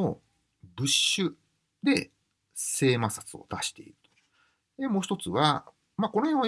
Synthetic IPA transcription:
o | bɯ̟ɕːɨ | d̪e̞ | se̞ːmasat͡sɨo̞̰t̪aɕi̥t̪e̞̰iɾɯ̟̥t̪o̥ | d̪e̞mo̞ːçit̪o̞t͡sɨβa | makonohẽɰ̃a

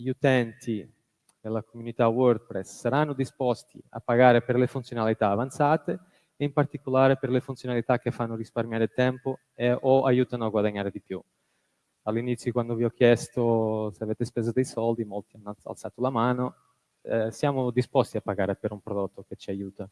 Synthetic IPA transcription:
ʎut̪ɛnt̪ʰi | d̪elːakomunit̪awɔrd̪̚pɾɛssːaɾanːʊd̪ispɔst̪ḭa̰pːaɡaːɾeperlefunt̪sjonalit̪aːvant̪saːt̪e | impart̪ikolaːɾeperlefunt̪sjonalit̪ak̟ːefːanːʊɾisparmjaːɾet̪ɛmpo | eɔajuːt̪anʊaɡwad̪aɲːaːɾed̪ipju | alːinit̪sjokwand̪oviɔkʰːjɛst̪oseaveːt̪espɛzod̪ejsɔld̪imolt̪ianːa̰lt̪saːt̪olamaːno | sjaːmʊd̪ispɔst̪iapːaɡaːɾepeɾumpɾod̪ɔt̪ːok̟et͡ʃːiajuːt̪a

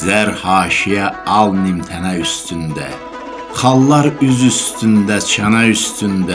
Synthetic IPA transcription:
zæɾhɑːʃijɛɑlˠnimt̪ʰɛnɛyst̪ʰynd̪ɛ | χɑlˠːɑɾøzyst̪ʰynd̪ɛt͡ʃʰɑnɑyst̪ʰynd̪ɛ

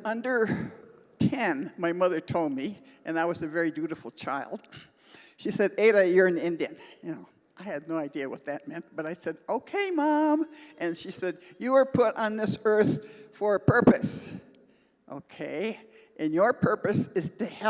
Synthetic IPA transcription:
ʌ̃ndə˞ | tʰɛ̃nmaɪmʌðə˞tʰoʊlˠd̚mi | ʔɨ̃naɪwʌzɨvɛɹidʉɾɨfl̩ˠt͡ʃʰaɪlˠd̥̚ | ʃisɛɾeɪɾɨjə˞ɨ̃nɪ̃ndiɨ̃njɨnoʊ | ʔaɪɨdⁿnoʊaɪdiɨwʌ̰t̪̚ðɨt̚mɛ̃nt̚b̥ʌɾaɪsɛɾoʊkʰeɪmɑ̃mʔɨ̃nʃisɛdjɨə˞pʰʊɾn̩ðɪsɜ˞θfə˞ɨpʰɜ˞pɨs | ʔo̰ʊkʰeɪ | ʔɨ̃njə˞pʰɜ˞pɨsɨz̥tɨhɛ

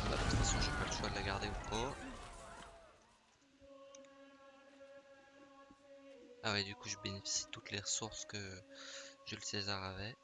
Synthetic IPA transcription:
ba̰pɛfasjɔ̃ʒɛpaləʃwad̪əlaɡaʁd̪eupa | awed̪ykuʒəbenefi̥si̥t̪ut̪leʁəsuʁskə | ʒələsezaʁavɛ

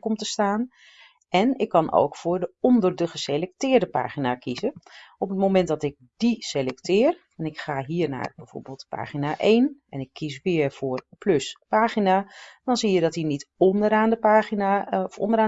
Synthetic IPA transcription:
kɔmtəstaːn | ʔɛnɪkːɑnʔo̰wkfʊːɹdəɔndərdəχəselɛk̚tɪːɹdəpa̰ːχinakʰizəʔɔpətmowmɛntdɑtɪk̚diselɛktɪːr | ɛnɪkχaːɦiːəɹna̰ːrbɛv̥o̰ːɹbeːlˠtpa̰ːχinaʔejnɛnɪkʰːisʋɪːərfʊːrplɵspaːχinad̥ɔnzijədɔtinitɔndəɾaːndəpaːχinafɔ̰ndəɾaː

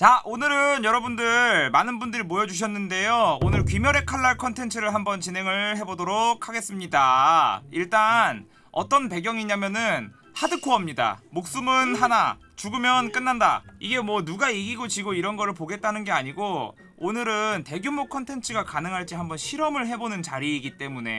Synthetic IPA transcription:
t͡ɕaʔonɯɾɯnjʌɾʌbundɯɭmanɯnbundɯɾimojʌd͡ʑuɕ̬ʰʌnːɯnde̞joonɯɭkɥimjʌɾe̞kʰaɭːaɭkʰʌntʰe̞nt͡ɕʰɯɾɯɭɦambʌnt͡ɕinɦe̞ŋɯɭɦe̞bodoɾokʰːaɡe̞s͈ɯmɲida | iɭt͈an | ʌ̰t͈ʌnpe̞ɡjʌŋiɲamjʌnɯn | hadɯkʰoʌmɲida̰mok̚s͈umɯnɦana | t͡ɕuɡɯmjʌnk͈ɯnːanda̰iɡe̞mwʌnuɡaiɡiɡot͡ɕiɡoiɾʌnɡʌɾɯɭpoɡe̞t̚t͈anɯnɡe̞aɲiɡo | onɯɾɯnte̞ɡjomokʰʌntʰe̞nt͡ɕʰɯɡakanɯŋɦaɭt͡ɕ͈iɦambʌnɕʰiɾʌmɯɭɦe̞bonɯnt͡ɕaɾiːɡit͈e̞mune̞̰

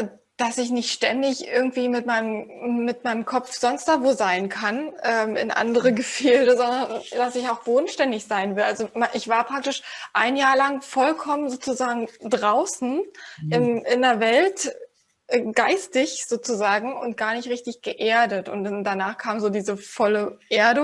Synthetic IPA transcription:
d̥asɪçnɪçtʃtɛndɪçʔɪɐɡŋ̩tv̥iːmɪtmaɪnəmmːɪtmaɪnəmkʰɔfz̥ɔnstd̥avoːzaɪnkʰanʔɛːmɪ̰nʔa̰ndəʁəɡəfeːldəzɔndɐnd̥asɪçaʊxb̥oːdn̩ʃtɛndɪçz̥aɪnvɪldʔalzomaʔɪçv̥aːɐpʁ̥ak̚tɪʃʔaɪnjaːɐlaŋfɔlkʰɔmənzoːt͡suzaːɡŋ̩dʁaʊsn̩ʔɪmɪndeːɐvɛlt | ʔɡ̥aɪstɪçz̥oːt͡suzaːɡŋ̩ʊ̰nt̚ɡ̥aːɐnɪçtʁɪçtɪçɡ̥əʔeːɐdətʊ̰ntd̥anaːχkʰaːmzoːdiːzəfɔləʔeːɐdə

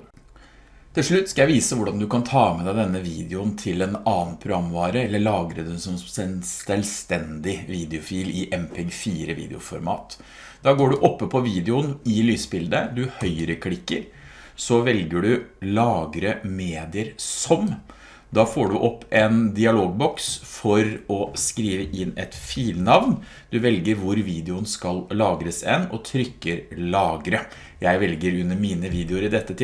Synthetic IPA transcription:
t̪ʰɪlʂɭʉt̪ːskɑjæɪʋiːsəʋʊɖɑnd̪ʉkɑnt̪ʰɑːmɛd̪æɪd̪ɛnːəʋiːd̪ɪʊnt̪ʰɪlɛnɑːnpʰɾʊɡɾɑmːʋɑːɾəɛlːəɭɑːɡɾəd̪ɛnsɔmsɛnsɛlst̪ɛnd̪ɪʋiːd̪ɪʊfiːlɪʔɛmpʰɪɡfiːɾəʋḭːd̪ɪ̰ʊ̰fɔɾmɑ̰ːt̪ | d̪̥ɑːɡoːɖʉʔɔpːəpʰɔʋiːd̪ɪʊnɪlyːsbɪld̪əd̪ʉhœʏəɾəkʰlɪkːə̰ɾ | sɔʋɛlɡəɖʉlɑːɡɾəmeːd̪ɪəɾsɔm | d̪ɑːfoːɖʉʔɔpːɛnd̪ɪɑloːɡ̚bɔksfɔɾɔskɾiːʋəʔɪnːɛt̪fiːlnɑʋn | d̪̥ʉʋɛlɡəɾʋʊɾʋiːd̪ɛʊnskɑllɑːɡɾəsɛnɔt̪ʰɾʏkːəɾlɑːɡɾə | jæɪʋɛlɡəɾʉnːəmiːnəʋiːd̪ɛʊɾɪd̪ɛt̪ːət̪ʰɪ

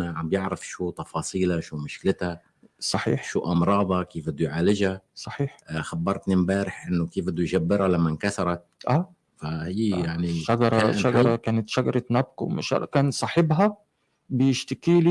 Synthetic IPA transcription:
aʕambjɪʕɾɪfʃuːt̪ˤɑfɑːsˤiːlaʃuːmʊʃkɪlɪt̪ha | sˤɑħḭːħʃuːʔɑmɾˤɑːd̪ˤɑkiːfbɪd̪ːujʕaːlɪʒasˤɑħiːħxabːɑɾˤt̪nimbaːɾɪħʔɪnːʊkiːfbɪd̪ːujʒabːɪɾalamːankaθɑɾˤɑt̪̚ʔaː | fahiːjaʕniʃaɡɑɾˤɑʃaɡɑɾˤɑkaːnat̪ʃaɡɑɾˤɑt̪nab̚qwma̰ʃa̰lkaːnsˤɑːħɪbɦa | bɪjɪʃt̪ɪkiːli

